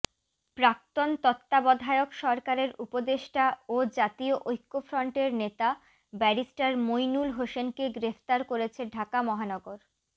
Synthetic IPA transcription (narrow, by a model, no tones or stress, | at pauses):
pɾak̚t̪ont̪ɔt̪ːabɔd̪ʱaeokʃɔɾkaɾeɾupod̪eʃʈaod͡ʑat̪ioʔojkːofɾɔɳʈeɾnet̪a | bɛɾisʈaɾmojnulɦoʃenkeɡɾefʰt̪aɾkoɾet͡ɕʰeɖʱakamɔɦanɔɡoɾ